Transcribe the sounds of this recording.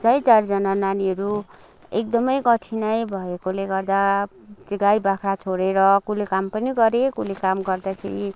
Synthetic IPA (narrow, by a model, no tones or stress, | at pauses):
t͡sʌjt͡sard͡zʌnananiɦʌɾu | ek̚d̪ʌmʌjkʌʈʰinʌjbʱʌekoleɡʌrd̪a | t̪eɡajbakʰɾat͡sʰoɾeɾʌkulekampʌniɡʌɾekulekamɡʌrd̪akʰḛɾi